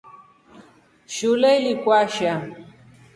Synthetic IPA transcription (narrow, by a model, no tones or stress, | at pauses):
ʃulelikwaʃa